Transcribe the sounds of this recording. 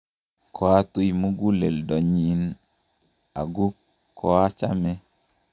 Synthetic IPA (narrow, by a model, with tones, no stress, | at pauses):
kʰɔ˨a˦tu˦i˨mu˦ɡu˦le˨ldɔ˨ɲi˨˦n | a˨ɡu˦ | kʰɔ˨˦a˦t͡ʃa̰˦mɛ˦